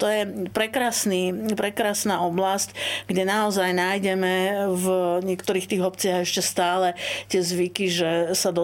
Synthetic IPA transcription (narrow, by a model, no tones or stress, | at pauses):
t̪ɔjɛpɾɛkɾaːsniːpɾɛkɾaːsnaːɔblascɡɟɛnaɔzajnaːjɟɛmɛvɲɪɛkt̪ɔɾiːxt̪iːɣɔpt͡sɪaɦɛʃcɛst̪aːlɛt̪ɪɛzʋikiʒɛsad̪ɔ